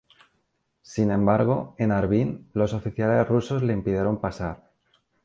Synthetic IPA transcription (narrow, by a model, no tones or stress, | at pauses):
sinẽ̞mbaɾɣ̞o̞e̞naɾβinlo̞so̞fiθjale̞sruso̞zle̞impiðjeɾo̞mpasaɾ